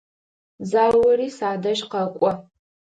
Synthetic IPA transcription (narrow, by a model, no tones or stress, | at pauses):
zaːwɐriːsaːdɐʒqɐkʷʼɔ